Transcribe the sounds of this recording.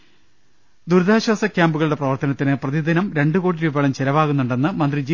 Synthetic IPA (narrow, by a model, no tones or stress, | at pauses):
d̪uɾd̪ʱaːɕɐsɐkʲjaːmbuɣɐɭuɽeprɐʋɐrt̪ɐnɐt̪ːinɨprɐðid̪inɐmɾe̞ɳɖukoːɽiɾubɐɭɐmt͡ɕelɐʋaːɣunːuɳɖe̞nːɨmɐnd̪rid͡ʑi